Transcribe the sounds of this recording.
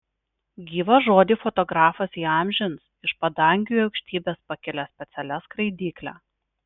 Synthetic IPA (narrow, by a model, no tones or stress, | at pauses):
ɡʲiːʋɐʒoːd̪ʲiːfɔt̪ɔɡɾɑːfɐsiːɑˑmʲʒʲɪns | ɪʃpɐd̪ɐŋʲɡʲuːɐʊkʃʲt̪ʲiːbʲeːspɐkʲɪlʲɛsʲpʲɛt̪sʲɛlʲɛskɾɐɪd̪ʲiːklʲæ̰